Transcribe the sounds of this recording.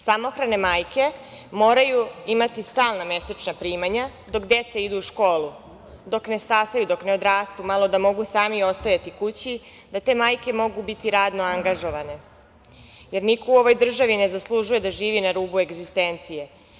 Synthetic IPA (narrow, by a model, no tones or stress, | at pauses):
samo̞xɾane̞maːjke̞ | mo̞ːɾajuimat̪ist̪aːlˠname̞set͡ʃnapɾiːmaɲa | d̪o̞kd̪e̞t̪seid̪uːʃko̞ːlˠu | d̪o̞kne̞st̪aːsajud̪o̞kne̞o̞d̪ɾaːst̪umalˠo̞d̪amo̞ɡusaːmio̞st̪ajat̪ikut͡ɕi | d̪at̪e̞ːmaːjke̞mo̞ɡubit̪iɾaːd̪no̞aŋɡaʒo̞ʋane̞ | je̞ɾnikouo̞ʋo̞jd̪r̩ʒaʋine̞zaslˠuʒuje̞d̪aʒiːʋinaɾuːbue̞ɡzist̪ent̪sije̞